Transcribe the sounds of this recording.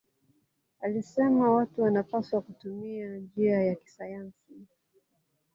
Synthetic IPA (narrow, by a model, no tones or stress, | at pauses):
alisɛmawatuwanapaswakutumiad͡ʒiajaki̥sajansi